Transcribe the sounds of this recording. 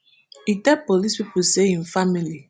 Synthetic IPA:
itɛpolispipuseĩnfamili

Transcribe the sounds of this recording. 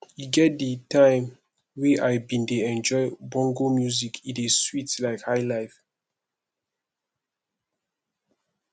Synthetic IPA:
juɡɛt̚dətãɪ̃m | weʔaɪbĩndeɛ̃nd͡ʒɔɪbɔ̃ŋɡomjuzikʰĩneswitlaɪkhaɪlaɪf

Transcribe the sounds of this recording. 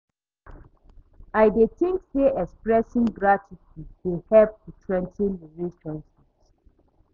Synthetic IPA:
ajdetɪ̃ŋkdeʔɛkspɹɛsĩŋɡɹatʰitiwehɛp̚dutʰwɛ̃ntʰĩnliɹisɔ̃nsis

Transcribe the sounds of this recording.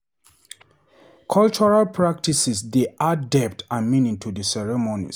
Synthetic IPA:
kʰɔlt͡ʃɔɹalpʰɹak̚tisisdeʔadɛp̚tʰamĩnĩŋtʰudəsɛɹɛmonḭs

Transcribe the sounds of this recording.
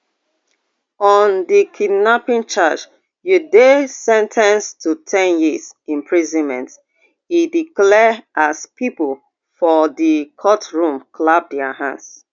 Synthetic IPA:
ɔndikʰidnapĩnt͡ʃat͡ʃ | judesɛ̃ntʰãnstʰutʰɛ̃njizĩmpʰɹizɔ̃nmɛ̃nt | idiklɛʔaspipəl | fɔdikʰɔtɹũmklap̚dɛəɦã̰ns

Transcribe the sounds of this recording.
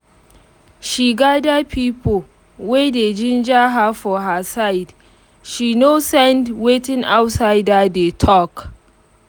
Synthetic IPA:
ʃiːɡaːdapʰiːpo | weded͡ʒɪnd͡ʒaɦafɔɦasajd | ʃinosɛndwetɪ̃ŋʔawtsajdadetʰɔk

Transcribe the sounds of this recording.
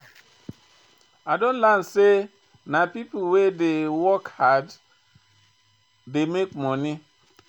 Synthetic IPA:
adõnlanse | napipowedewɔkhad | demekmɔni

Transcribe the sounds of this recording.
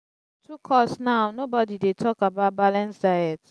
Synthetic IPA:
tʰukʰɔsnaʊnobɔdidetʰɔkabaʊt̚balãnsdaɪjɛt

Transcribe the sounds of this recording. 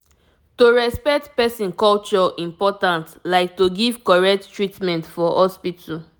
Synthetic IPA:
toɹɛspɛk̚tpɛsĩnkɔlt͡ʃɔʔĩmpɔtãntlaɪk̚toɡivkɔɹɛk̚ttɹitmɛ̃ntfɔhɔspitʰɔ

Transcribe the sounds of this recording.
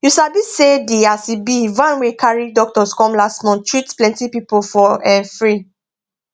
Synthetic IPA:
jusabisedeasibivãnwekʰaɹidɔk̚tɔskɔ̃mlasmɔ̃ntʰɹitplɛ̃ntipipofɔɛ̃nfɹi

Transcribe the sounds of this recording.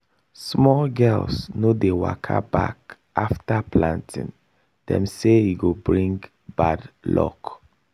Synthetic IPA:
smɔlɡɛlsnodewa̰kʰa̰ba̰k | ʔaftaplãntʰḭ̃n | d̥ɛ̰̃mseiɡobɹĩŋɡ | badlɔ̰k

